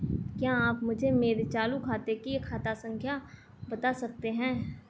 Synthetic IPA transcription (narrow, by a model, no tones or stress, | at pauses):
kjaːaːpmʊd͡ʒʱemeːɾet͡ʃaːlukʰaːt̪ekikʰaːt̪asə̃ŋkʰja | bɐt̪asɐk̚t̪eɦɛ̃ː